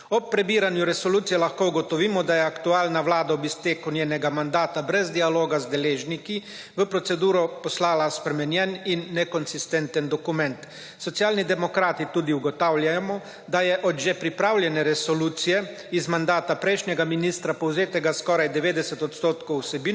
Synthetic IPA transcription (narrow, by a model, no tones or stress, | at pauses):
ɔpːɾɛbiːɾanjuɾɛsɔluːt̪sijɛlaxkouɡɔt̪ɔʋiːmɔd̪ajɛakt̪uaːlnawlaːd̪aɔbisp̪eːkunʲjeːnɛɡamand̪aːt̪abɾɛzd̪ialoːɡazd̪ɛleːʒniki | ʋəpɾɔt̪sɛd̪uːɾɔpɔslaːlaspɾɛmɛnjɛninːɛkɔnsist̪ɛnt̪ənd̪ɔkumɛ̃nt̪ | sɔt̪sjaːlnid̪ɛmɔkɾaːt̪it̪uːd̪iuɡɔt̪awlʲjamɔ | d̪ajɛʔɔd̪ʒɛpɾipɾaːwlʲjɛnɛɾɛsɔluːt̪sijɛ | izmand̪aːt̪apɾɛjʃnʲɛɡaminist̪ɾapɔwzeːt̪ɛɡaskɔɾajd̪ɛʋeːd̪ɛsɛt̪ɔt̪st̪oːt̪kowsɛbiː